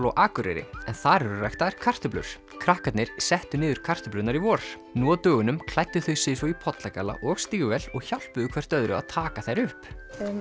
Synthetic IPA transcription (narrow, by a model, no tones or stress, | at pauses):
lɔʔaːkʏɾɛ̰ɾɪ̰ɛnθaɾɛɾʏrajht̪aɾkʰar̥t̪ʏplʏ̰ɾ̥ | kʰɾahkat̪nɪɾ̥sɛht̪ʏnɪːðʏɾ̥kʰar̥t̪ʏplʏt̪naɾivɔːɾ̥ | nuaðt̪œːɣʏnʏmkʰlajt̪ːɪθœɥsɪsɔipʰɔt̪lakala̰ʔɔɣst̪iːɣʏvɛlɔɣçawl̥pʏðʏkʰvɛr̥t̪œðɾʏ̰a̰ðt̪ʰaːkaθejɾʏhp